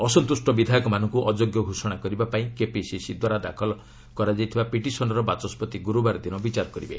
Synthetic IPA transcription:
ɔsɔnt̪usʈɔbid̪ʱajɔkɔmanɔŋkuʔɔd͡ʒoɡjɔɡʱusɔɽ̃akɔɾibapaĩkepisisid̪waɾad̪akʰɔlɔ | kɔɾad͡ʒajt̪ʰibapiʈisɔnɔɾɔbat͡ʃɔspɔt̪iɡuɾubaɾɔd̪inɔbit͡ʃaɾɔkɔɾibḛ

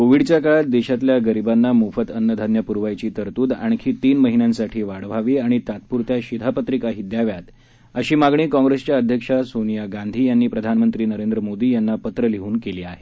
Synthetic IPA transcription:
koʋiɽt͡ɕjakaɭat̪̚d̪eɕat̪ljaɡəɾibanːamufət̪ənːəd̪ʱanjəpuɾʋajt͡ɕiːt̪əɾt̪uːd̪a̰ɳ̃kʰiːt̪iːnməɦinjãnsaʈʰiːʋaɽʋ̤aʋiaɽ̃it̪at̪̚puɾt̪jaɕid̪ʱapət̪ɾikaɦid̪jaʋjat̪ | əɕiːmaɡɳiːkɔ̃ŋɡɾest͡ɕjaəd̪ʱjəkʂasonijaɡand̪ʱiːjanːiːpɾəd̪ʱanmənt̪ɾiːnəɾend̪ɾəmod̪iːjanːapət̪ɾəliɦuːnkeliːaɦe

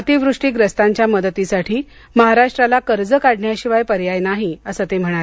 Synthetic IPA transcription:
ət̪iʋɾuʂʈiːɡɾəst̪aɲt͡ɕjaməd̪ət̪ːisaʈʰiː | məɦaɾaʂʈɾalakəɾd͡zəkaɽɳjaɕiʋajpəɾjajnaɦiəsət̪em̤əɽ̃aɾe

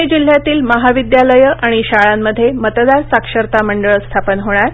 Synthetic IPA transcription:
ed͡ʑil̤ːjat̪iːlməɦaʋid̪jaləjəʔaɽ̃iɕaɭamːəd̪ʱːjemət̪d̪aɾsakʂəɾt̪aməɳɖəɭst̪ʰapənɦoɽ̃aɾ

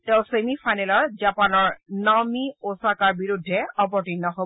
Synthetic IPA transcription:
tɛʊ̃semifajnɛlɔɹzapanɔɹnamiosakaɹbiɹudʱːɛɔp̬ɔɹtinːɔɦo

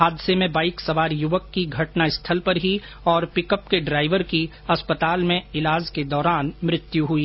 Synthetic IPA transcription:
ɦaːd̪ɪsemẽbaːɪksɐʋaːɾjʊʋəkːiɡʱɐʈnaɪst̪ʰəlpɐɾɦi | ɔːɾpɪkəpkeɖɾaːɪʋəɾki | ɐspət̪aːlmẽɪlaːd͡ʒked̪ɔːɾaːnmɾɪt̪juɦuiː

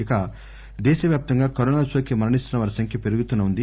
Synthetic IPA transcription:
ikɐ | d̪ɛːʃɐʋjaːp̚t̪ɐŋɡaːkɐɾoːnaːsʋɐkimɐɾɐnist̪unɐʋɐɾsɐŋkʰjɐpe̞ɾuɡut̪unːɐund̪i

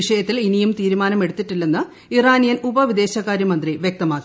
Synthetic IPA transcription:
iʂɐjɐt̪ːilinijumt̪iːɾumaːnɐme̞ɽut̪ːiʈːilːenːɨ | iraːnijɐnubɐʋid̪e̞ːɕɐkːaːɾjɐmɐnd̪riʋjek̚t̪ɐmaːkːi

